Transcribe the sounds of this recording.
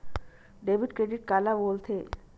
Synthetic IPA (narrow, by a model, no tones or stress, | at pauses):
ɖebiʈkɾeɖiʈ̚kalabolt̪ʰe